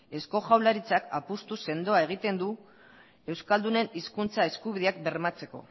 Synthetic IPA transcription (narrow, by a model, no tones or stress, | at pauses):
e̞sko̞ʝawlaɾit͡sakapust̪use̞nd̪o̞ae̞ɣ̞it̪e̞nd̪u | e̞wskald̪une̞niskunt͡sae̞skuβiðeakbe̞ɾmat͡se̞ko̞̰